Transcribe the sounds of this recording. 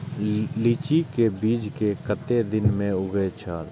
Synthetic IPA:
liːt͡ʃikebiːd͡ʒkekət̪ed̪ɪnmẽʊɡeet͡ʃʰaːl

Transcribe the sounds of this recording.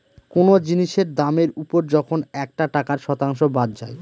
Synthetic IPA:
konod͡ʑiniʃeɾd̪ameɾupoɾd͡ʑɔkʰonɛk̚ʈaʈakaɾʃɔt̪aŋʃobad̪̚d͡ʑa̰e

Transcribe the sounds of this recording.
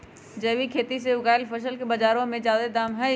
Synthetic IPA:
d͡ʒɐːʋikʰeːt̪iseʊɡaːɪlfəʃ̬əlkebɐd͡ʒaːɾõmẽd͡ʒaːd̪ed̪aːmɦɛ

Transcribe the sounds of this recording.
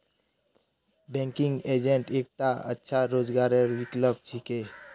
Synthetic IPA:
bɛ̃ŋkɪ̃ŋɡeːd͡ʒẽɳʈeːk̚t̪aə̰tːʃʰaɾoːd͡ʒɡaːɾeɾwɪkləbt͡ʃʰikeː

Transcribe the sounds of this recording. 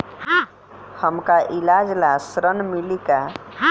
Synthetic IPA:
həmkaʔilad͡ʒlasɾənmilika

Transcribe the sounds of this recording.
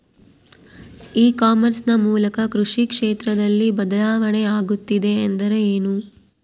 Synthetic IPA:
iːkaːmɐɾsnɐmuːlɐkɐkɾuʂikʂeːt̪ɾɐd̪ɐlːibɐd̪ɐlaːʋɐɳeaːɡut̪ːid̪e̞ːnd̪ɐɾeeːnu

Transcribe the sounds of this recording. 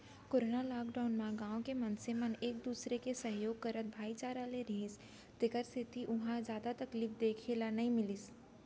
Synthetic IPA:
koːɾoːnalaːɡɖaːʊnmãɡãːõkemɐ̃nseməneːk̚d̪uːsɾekesəɦjoːɡ̚kɐɾət̪̚bʱaːit͡ʃaːɾaleɾiɪs | t̪ɪkəɾsɪt̪iʔʊɦãzjaːd̪at̪ɐkliːfd̪eːkʰelanɐɦĩmɪlɪs

